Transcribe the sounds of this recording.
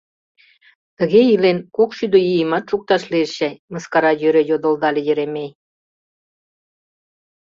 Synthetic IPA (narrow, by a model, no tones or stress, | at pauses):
t̪ə̆ɣeilenkokʃyd̪øjijəmɑt̪̚ʃuk̚t̪ɑʃleəʃæjmə̆skɑɾɑjøɾejod̪ə̆ld̪ɑlʲejə̆ɾemej